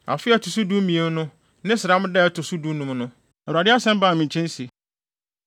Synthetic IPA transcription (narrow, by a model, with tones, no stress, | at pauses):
a̰˨fɪ˦ɛ˦tʰʊ˨su˦du˦mĩ˨e˦m˦nʊ̃˦ | nɪ̃˦sɪ˨ɾa˦m˦dɛ˦˨tʰʊ˨su˦du˦nũ˦mnʊ̃˦˨ | ɾa˨dɪ˦a˦sɛ̃˦m˦ba˦˨mĩ˨ɲ˨t͡ɕʰɛ̃˦n˦si˨